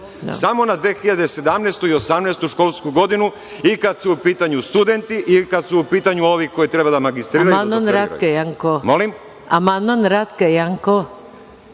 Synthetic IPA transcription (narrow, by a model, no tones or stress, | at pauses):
samo̞nad̪ʋeːxiʎad̪e̞se̞d̪amnest̪uiosamnɛːst̪uʃkolskuɡo̞d̪inu | ikad̪suupiːt̪aɲust̪ud̪e̞nt̪iʔikad̪suːpiːt̪aɲuo̞ʋiko̞jit̪ɾe̞bad̪amaɡist̪ɾiːɾamanmanɾat̪kejaŋkomo̞lim | amand̪manɾat̪kejaŋko